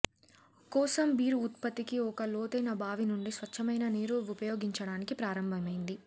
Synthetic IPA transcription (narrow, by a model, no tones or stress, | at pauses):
kɔːsɐmbiːɾuːt̪pɐt̪ːikiɔkɐloːt̪ɐjnɐbaːʋinuɳɖisʋɐt͡ʃʰːɐmɐjnɐniːɾuupɐjoːɡiɲt͡ʃɐɽaːnikipɾaːɾɐmbʱɐmɐjind̪i